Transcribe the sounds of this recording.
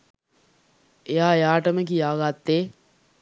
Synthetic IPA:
ejaːejaːʈəmək̬ijaːɡat̪ːeː

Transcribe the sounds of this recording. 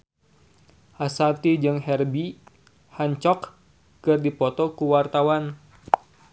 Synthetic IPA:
ʔasat̪id͡ʒɨŋɦɛrbi | haɲt͡ʃɔk | kɨrdipɔt̪ɔkuwart̪awan

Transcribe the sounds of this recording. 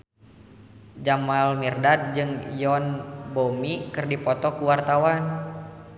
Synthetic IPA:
d͡ʒamalmirdad̪̚d͡ʒɨŋjɔnbomikɨrdipɔt̪ɔkuwart̪awan

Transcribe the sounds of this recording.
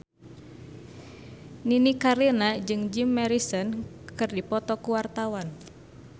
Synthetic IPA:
ninikaɾinad͡ʒɨŋd͡ʒimːɛɾisɔn | kɨrdipɔt̪ɔkuwart̪awan

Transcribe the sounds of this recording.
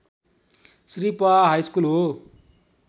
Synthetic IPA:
sripaɦajskulɦo

